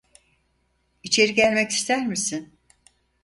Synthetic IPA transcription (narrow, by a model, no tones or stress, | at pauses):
it͡ʃʰe̞ɾiɟælʲmɛci̥st̪ʰæɾmisin